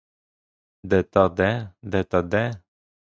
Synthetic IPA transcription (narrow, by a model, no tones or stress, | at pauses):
d̪ɛt̪ɑd̪ɛd̪ɛt̪ɑd̪ɛ